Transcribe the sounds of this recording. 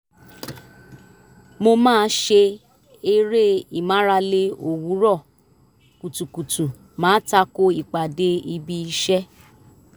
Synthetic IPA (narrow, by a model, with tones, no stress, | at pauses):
mo˧mãː˦˧˦ʃe˧ | e˧ɾe˦i˨mã˨˦ɾa˧le˧o˨wu˨˦ɾɔ˦˨ | ku˨tu˨ku˨tũ˨ | mãː˨˦ta˧ko˦i˨k͡pa˨de˧˦i˧bi˧i˧ʃɛ˦